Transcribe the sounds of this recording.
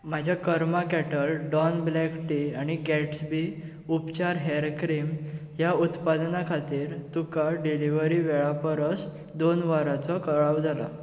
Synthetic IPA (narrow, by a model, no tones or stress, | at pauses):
m̤ad͡ʑʱjakəɾmakɛʈəlɖɔnblɛkʈiaɽ̃ikɛʈsbi | upt͡ɕaɾɦɛɾkɾimɦjaut̪pad̪nakʰat̪iːɾt̪ukaɖiliʋəɾiʋeɭapəɾəs | d̪onʋəɾat͡sɔkəɭaʋd͡zala